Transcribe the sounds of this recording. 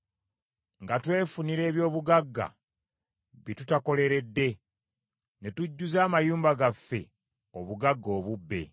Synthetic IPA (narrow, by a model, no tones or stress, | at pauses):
ŋɡatwe̞ːfuniɾe̞ːβjo̞ːβuɡaɡːa̰ | βitutako̞le̞ɾe̞dːe̞ | ne̞tuɟːuzaːmajuːmbaɡafːe̞̰ | o̞βuɡaɡːo̞ːβubːe̞̰